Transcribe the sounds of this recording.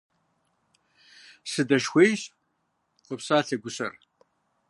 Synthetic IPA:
sɨdɐʃxʷejɕ | qʷəpsaːɬʰɐɡʷʊsɐ̰r

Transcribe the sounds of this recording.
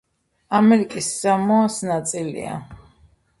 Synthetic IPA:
amɛɾikʼiszamɔasnat̪sʼilḭa̰

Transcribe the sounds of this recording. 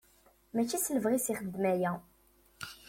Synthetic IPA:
mæt͡ʃːisələvʁisiχəd̪ːmæjæ

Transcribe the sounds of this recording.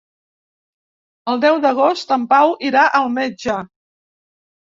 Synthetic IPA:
əlˠd̪ɛwðəɣ̞ost̪əmpawʔiɾaʔəlˠmed͡ʒə

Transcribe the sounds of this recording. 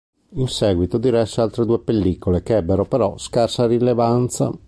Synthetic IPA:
insɛːɡwit̪od̪iɾɛsːealt̪ɾed̪uːepelːikolekeɛbːeɾopeɾɔskarsaɾilevant̪sa̰

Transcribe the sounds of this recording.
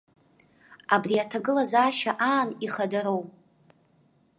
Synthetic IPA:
abriatʰaɡɨlazaːʃaʔaːniχadaɾow

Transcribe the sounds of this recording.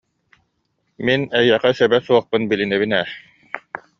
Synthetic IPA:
minɛjːɛqɛsœbɛsuɔχpɯnbilinɛβinɛ

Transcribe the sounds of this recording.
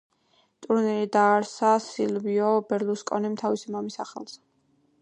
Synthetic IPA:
t̪ʼuɾnɛɾid̪aːɾsasilviɔbɛɾluskʼɔnɛmt̪ʰavisimamisa̰χɛ̰lˠz̥

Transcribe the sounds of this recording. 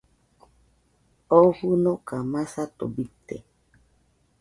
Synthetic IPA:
ɔhunɔkamasat̪o̰bit̪ɛ̰

